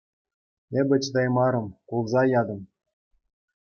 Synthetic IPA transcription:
ĕbʲɘ̆t͡ɕd̪ɑjmɑɾɤ̆mkulˠzɑjɑd̪ɤ̆m

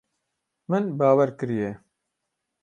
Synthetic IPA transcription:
mɨnbaːwɛɾkɨɾijɛ

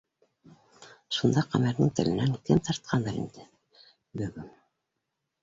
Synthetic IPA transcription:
ʃund̪ɑqæmæɾnɘŋt̪ɘ̆lɘ̆næŋkɘmt̪ɑɾt̪̚qʰɑnd̪ɑɾḭnd̪ɘ | bɵ̆ɡɘn

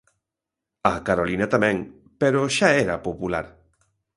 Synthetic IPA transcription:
akaɾolinat̪amɛ̃ŋ | peɾoʊʃaɛɾapopulaɾ

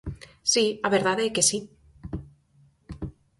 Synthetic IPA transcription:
siaβeɾðaðeke̞si

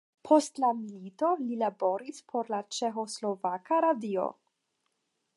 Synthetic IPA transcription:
pʰo̞stlamilito̞lilabo̞ɾispʰo̞ɾlat͡ʃe̞xo̞slo̞vakaɾadio̞̰

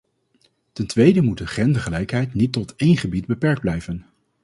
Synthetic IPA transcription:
tɛntʋejdəmut̚dəχrɛndəχəlɛjkɦɛjtnitːɔtejnχəbid̚bəpɛɹɡ̚d̚blɛjvən

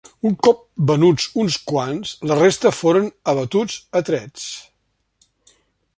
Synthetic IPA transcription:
uŋkɔp̚bənud͡zunskwanzlərest̪əfoɾənəβət̪ud͡zət̪ɾɛt͡s

